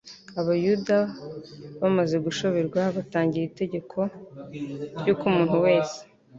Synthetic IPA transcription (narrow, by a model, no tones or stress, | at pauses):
aβajuda | βamaze̞ɡuʃo̞βeɾɡwaβataːɲɟiɾiite̞ɟe̞kʰo̞ | ɾjukumuːn̥huwe̞ːse̥